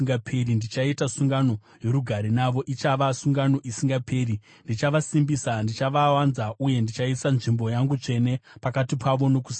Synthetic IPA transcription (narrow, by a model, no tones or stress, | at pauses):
ŋɡapʰerindit͡ʃaitasuŋɡano̞ | je̞ɾuɡʱaɾinaʋo̞ʔit͡ʃaʋasuŋɡano̞ʔisiŋɡapʰe̞ːri | ndit͡ʃaʋasimbisandit͡ʃaʋawanzaʔuje̞ndit͡ʃaisanʐimbo̞jaŋɡut͡ʂe̞ne̞pakatipʰaʋo̞no̞kus